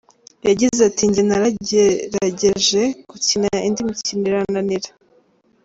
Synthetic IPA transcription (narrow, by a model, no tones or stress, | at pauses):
jaɟizatiɲɟinaɾaeɾaɟe̞ʒe̞kucinaindimiciniɾananiɾa